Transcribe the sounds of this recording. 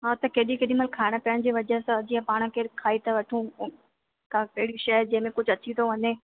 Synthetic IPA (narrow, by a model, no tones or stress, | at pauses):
ɦaːt̪ɐkeːɗĩkeːɗĩmɐlkʰːaːɪɽ̃pɐjəɽ̃̆d͡ʑiːʋɐd͡ʑɐsd͡ʑiːə̃paːɽ̃ə̃̆kʰeːkʰaːit̪ɐʋɐʈʰũ | kakɐɦɪɽiʃɐd͡ʑɐ̃ɦɪ̃mẽkʊd͡ʑʱɐt͡ɕit̪ʰoʋɐne